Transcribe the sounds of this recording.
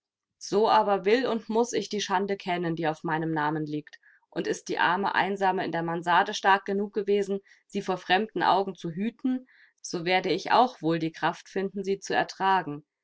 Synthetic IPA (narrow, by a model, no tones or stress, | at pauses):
z̥oːʔaːbɐvɪlʊntmʊsɪçd̥iːʃandəkʰɛnəndiːaʊfmaɪnəmnaːmənliːkt | ʔʊntɪst̚d̥iːʔa̰ɐmə̰ʔa̰ɪnzaːməɪ̰ndeːɐmanzaːdəʃtaɐk̚ɡ̥ənuːk̚ɡ̥əveːzn̩ | z̥iːfoːɐfʁ̥ɛmdn̩ʔa̰ʊɡŋ̩t͡suɦyːtn̩ | z̥oːveːɐdəɪçʔa̰ʊxv̥oːldiːkʁ̥aftfɪndn̩ziːt͡suɛ̰ɐtʁ̥aːɡŋ̩